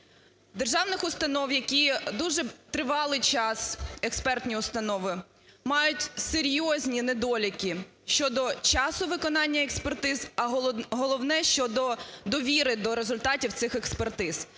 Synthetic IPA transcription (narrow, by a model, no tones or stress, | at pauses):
d̪erʒɑwnɪxʊst̪ɐnɔwjɐkʲid̪uʒɛt̪ɾɪʋɑlˠɪjt͡ʃɑsɛkspɛrt̪ʲnʲiʊst̪ɐnɔʋɪ | mɑjʊtʲseɾʲjɔzʲnʲined̪ɔlʲikʲi | ʃt͡ʃɔd̪ɔt͡ʃɑsʊʋɪkɔnɑnʲːɐekspert̪ɪzɐɦɔlˠɔwnɛʃt͡ʃɔd̪ɔd̪ɔʋʲiɾɪd̪ɔɾezʊlʲt̪ɑtʲiwt̪sɪxekspert̪ɪz̥